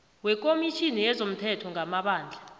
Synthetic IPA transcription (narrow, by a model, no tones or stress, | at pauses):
wɛk̬ʼomiʃʰinijɛzom̩tʰɛtʰɔŋɡʱamaɓaːnd͡ɮʱa